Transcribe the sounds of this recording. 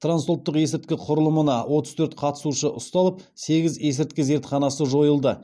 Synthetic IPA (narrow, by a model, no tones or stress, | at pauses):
t̪ransolt̪ːəqje̞sɪɾt̪̚kʲɪqʰʊɾəlˠəmənɑwʔo̞t̪əz̥t̪ʰɵɾt̪qʰɑt̪ə̥suʃəʔʊst̪ɑlˠəp̚se̞ɡʲɪze̞s̬ɪɾt̪̚kʲɪze̞ɾt̪χɑnɑsəʒo̞jəlˠd̪ə